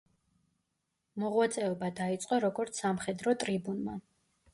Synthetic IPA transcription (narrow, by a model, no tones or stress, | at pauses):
mɔʁwat̪sʼɛɔbad̪ait̪sʼqʼɔɾɔɡɔɾt̪sʰamχɛd̪ɾɔt̪ʼɾibunma̰